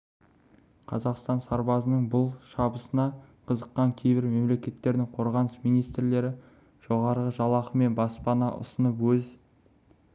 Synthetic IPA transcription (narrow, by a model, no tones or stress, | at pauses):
qʰɑ̰zɑqst̪ɑnsɑɾbɑzənəɴbʊlˠʃɑbəsənɑqʰəzəqːɑŋkʲʰe̞jbɪɾme̞mle̞kʲe̞t̪ːe̞ɾd̪ɪŋqʰo̞ɾʁɑnəsmijnijst̪ɾle̞ɾɪ | ʒ̥o̞ʁɑɾʁəʒɑlˠɑqəme̞nbɑspɑnɑʔʊ̰sənəpwɵz